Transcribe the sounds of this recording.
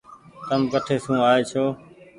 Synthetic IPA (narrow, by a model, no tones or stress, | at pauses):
t̪əmkəʈʰeːsũːaːeːt͡ʃʰoː